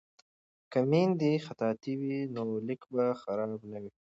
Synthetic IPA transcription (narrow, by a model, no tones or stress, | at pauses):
kamind̪ixat̪ɑːt̪iwinolɪkbaxaɾɑːbnawi